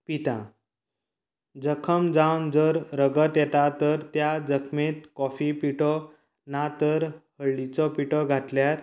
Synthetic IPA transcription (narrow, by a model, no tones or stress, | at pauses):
pit̪ã | d͡zəkʰəmd͡zawnd͡zəɾɾəɡət̪jɛt̪at̪əɾt̪jad͡zəkʰmet̪̚kɔfipiʈɔ | nat̪əɾhəɭːit͡sɔpiʈɔɡʱat̪ljaɾ